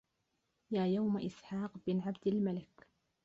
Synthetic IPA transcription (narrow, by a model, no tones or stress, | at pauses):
jaːjawmaʔɪsħaːqbɪnʕabd̪almalɪk